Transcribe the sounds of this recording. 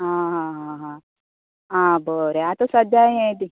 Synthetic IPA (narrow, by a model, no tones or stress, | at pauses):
ɦãɦãːɦãɦã | ɦãːboɾeat̪osɐd̪jaːɦẽd̪i